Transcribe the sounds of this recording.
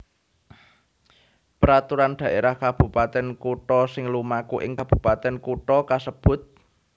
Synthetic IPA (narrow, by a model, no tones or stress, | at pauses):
pəɾat̪uɾanɖ̥ä̤ʔeɾahkab̥ṳpat̪ɛnkuʈɔsɪŋlumakuʔɪ̰ŋkab̥ṳpat̪ɛnkuʈɔkasəb̥ʊ̤t̪̚